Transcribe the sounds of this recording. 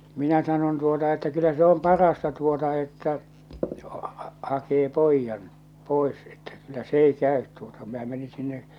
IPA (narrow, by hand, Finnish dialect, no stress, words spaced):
minæ sɑnon tuotɑ etːæ kylːæ se om pɑrɑstɑ tuotɑ etːæ hɑkeː poijːɑn poˑe̝s etːæ kylːæ s ei kæˑøt tuotɑ minæ meni sinːe